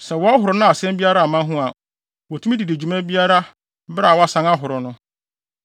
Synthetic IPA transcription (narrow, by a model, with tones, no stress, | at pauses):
sɛ˨wɔ˦a˦ɦʊ˨ɾʊ˨˦nʊ̃˦a˨sɛ̃˦mbi˦a˦ɾa˦˨mã˦ɦʊ̃˦a˨ | wɔ˨tʰũ˦mĩ˦di˨de˨d͡ʑᶣu˨mæ̃˦bi˦a˦ɾa˦ | bɾa˨wɔ˦a˦sã˦ŋa˦ɦʊ˨ɾʊ˨nʊ̃˦